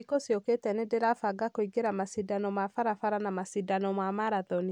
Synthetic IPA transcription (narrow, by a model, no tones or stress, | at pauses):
ikosjoketɛnedeɾafaɡakoiɡeɾamasidanɔmwafaɾafaɾanamasidanɔmwamaɾaðɔni